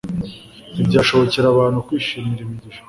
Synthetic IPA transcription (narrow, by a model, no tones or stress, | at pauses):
ibɟaːʃo̞βo̞ceɾaβaːnhukwiːʃiːmiɾimiɟiʃa